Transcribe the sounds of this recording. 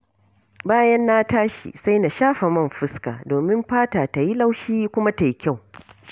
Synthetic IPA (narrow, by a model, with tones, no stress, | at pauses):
baː˦jɐ˦nːa˦taː˦ʃḭ˨sa˦jna˨ʃaː˦ɸa˨mɐ˦˨mɸɪ˦ska̰ː˨doː˨mɪ˦mɸaː˦ta˨ta˨ji˦la˦wʃiː˦kʷʊ˦ma˦ta˨ji˦kʲa˦˨w